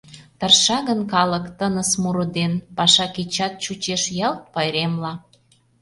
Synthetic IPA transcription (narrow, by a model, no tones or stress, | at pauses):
t̪ərʃɑɣənkɑləkt̪ənəsmuɾod̪enpɑʃɑkit͡ɕɑt̪̚t͡ɕut͡ɕeʃjɑlt̪̚pɑjɾemlɑ